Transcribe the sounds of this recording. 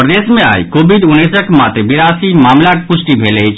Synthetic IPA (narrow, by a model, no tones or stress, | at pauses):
pɾəd̪esmea̰jkobʱid̪unːisəkmat̪ɾebiɾasimamlakepusʈibʱelɛjt͡ʃʰ